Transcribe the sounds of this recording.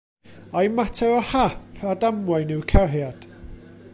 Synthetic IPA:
ajmatʰɛɔhapʰadamwajnɪwkʰɛɦjad̥

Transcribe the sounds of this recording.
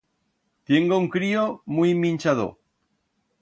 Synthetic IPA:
t̪jeŋɡouŋkɾiomujmĩnʲt͡ʃaðo̰

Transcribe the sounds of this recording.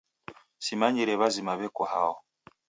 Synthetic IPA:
simaɲiɾɛβazimaβɛkɔha̰ɔ

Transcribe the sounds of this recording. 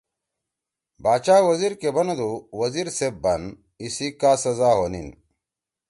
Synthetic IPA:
baːt͡ʃaːwɐziɾkebɐnɐd̪uwɐziɾsebɐn | isikaːsɐzaːɦonḭn

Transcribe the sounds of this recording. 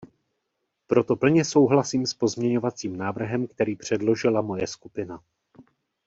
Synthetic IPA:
pɾo̞t̪o̞pl̩ɲɛso̞wɦlasiːmspo̞zmɲɛɲo̞vat͡siːmnaːvr̩ɦɛmkt̪ɛɾiːpr̝̥ɛdlo̞ʒɪlamo̞jɛskupɪna

